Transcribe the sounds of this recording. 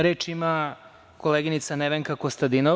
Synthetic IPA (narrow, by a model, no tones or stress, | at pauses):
ɾeːt͡ʂima | ko̞leɡinit̪saneʋeŋkakost̪ad̪ino